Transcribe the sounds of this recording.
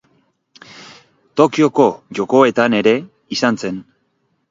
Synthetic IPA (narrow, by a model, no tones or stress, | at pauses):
t̪o̞kio̞ko̞ʝo̞ko̞e̞t̪ane̞ɾe̞ | isanse̞n